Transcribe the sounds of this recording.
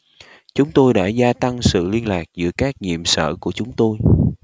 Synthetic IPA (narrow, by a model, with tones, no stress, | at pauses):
t͡ɕʊ˨˦ŋ͡mt̪o˧jɗa̰ː˧˥zaː˧t̪a˧ŋsɨ̰˧˨li˧ənlaː˨˩k̚zɨ̰˧˥əkaː˦˥k̚ɲḭ˧˨əmsə̰ː˧˨ku˧˩ət͡ɕʊ˨˦ŋ͡mt̪o˧j